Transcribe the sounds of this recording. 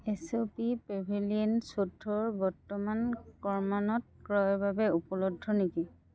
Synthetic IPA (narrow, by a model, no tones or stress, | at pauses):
esopipɹebʱiliensodʱːɔɹbɔɹtːɔmankɔɹmanɔt̚kɹɔjɔbabɛupɔlodʱːɔniki